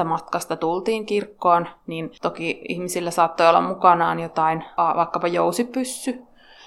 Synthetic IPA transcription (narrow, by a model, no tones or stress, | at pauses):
æmɑt̪kɑst̪ɑt̪ult̪iːŋkirkːoːnnint̪okiḭhmisilːæsɑːt̪ːoiolːɑ̰mmukɑnɑːnjot̪ɑinɑʋɑikːɑpɑjousippysːy